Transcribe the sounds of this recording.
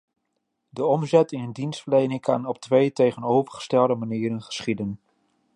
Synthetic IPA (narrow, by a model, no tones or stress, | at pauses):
dəɔmzɛtɪŋəndinstfəɹlejnɪŋkɑ̰nɔp̚tʋejtejχənowvərχə̥stɛlˠdəmaniːɾənχə̥sχidən